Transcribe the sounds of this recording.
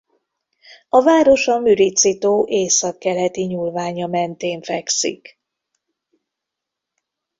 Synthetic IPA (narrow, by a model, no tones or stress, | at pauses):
ɒvaːɾo̞ʃɒmyɾit̪sit̪oːʔeːsɒkːɛlɛt̪iɲuːlvaːɲɒmɛnt̪eːɱfɛksḭk